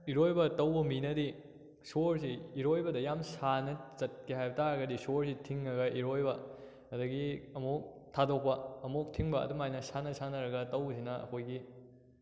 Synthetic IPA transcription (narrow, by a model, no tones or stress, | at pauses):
iɾojbɐtɐwbɐminɐdi | soɾsiiɾojbɐdɐjamsanɐt͡ʃɐt̚kiɦajbɐtaɾɐɡɐdisoɾsitʰiŋːɐɡɐʔiɾojbɐ | ɐdɐɡiɐmok̚ | tʰadok̚pɐɐmok̚tʰiŋbɐɐ̰dumajnɐsanɐsanɐɾɐɡɐtɐwsinɐɐ̰kʰojɡi